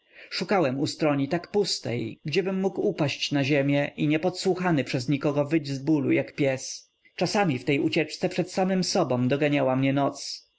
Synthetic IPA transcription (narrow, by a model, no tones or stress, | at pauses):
ʂukawɛmust̪ɾɔɲit̪akpust̪ɛ̰jɡd͡ʑɛbɘmːukupaɕt͡ɕnaʑɛmʲjɛʔiɲɛpɔt̪swuxanɘpʂɛzɲikɔɡɔvɘd͡ʑzbulṵjakpʲjɛs | t͡ʂasamʲift̪ɛjut͡ɕɛt͡ʂt̪sɛpʂɛt̪samɘmsɔbɔ̃w̃d̪ɔɡaɲawamɲɛnɔt̪s